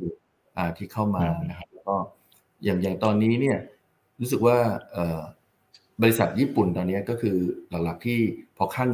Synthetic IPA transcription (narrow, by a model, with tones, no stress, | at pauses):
ʔaː˨˩t̪ʰiː˥˩kʰa˥˩wmaː˧na˦˥kʰa˦˥p̚lɛː˦˥kɔː˥˩ | jaː˨˩ŋja˨˩ŋt̪ɔː˧nːiː˦˥ni˥˩ɐ | ɾuː˦˥s̬ɯ˨˩k̚waː˥˩ʔɤː˨˩ | bɔː˧li˧˥sa˨˩t̪̚jiː˥˩pu˨˩nt̪ɔː˧nːi˦˥ɐkɔː˥˩kʰɯː˧la˨˩˦k̚la˨˩k̚t̪ʰiː˥˩pʰɔ˧kʰa˥˩ŋ